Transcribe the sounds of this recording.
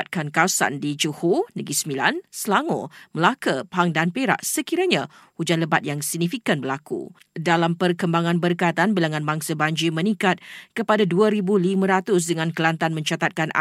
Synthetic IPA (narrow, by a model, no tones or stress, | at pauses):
t̪̚kankawsa̰ndid͡ʒuhunəɡisəmila̰nsəlaŋo̰məlakəpaŋdanpeɾa̰ʔsəkiɾaɲahud͡ʒanləbat̪̚jaŋsəɡ̚nifikanbəlakṵ | dalampərkəmbaŋãnbərkajt̪anbilaŋãnbaŋsəbaɲd͡ʒimə̃nĩkat̪̚kəpadaduəɾibulimə̃ɾat̪ʊs̬dəŋãnkəlant̪anmə̃ɲt͡ʃat̪at̪̚kanʔa̰